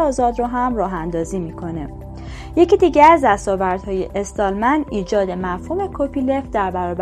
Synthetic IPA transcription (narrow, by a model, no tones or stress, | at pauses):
ɒːzɒːd̪ɾoɦæmrɒːɦænd̪ɒːziːmiːkʰo̞ne | je̞cid̪iːɟææzd̪æst̪ɒːvæɾd̪̥hɒːje̞̰ʔest̪ɒlmæniːd͡ʒɒːd̪e̞mæfhuːme̞kʰopʰile̞fd̪æɾbæɾɒːb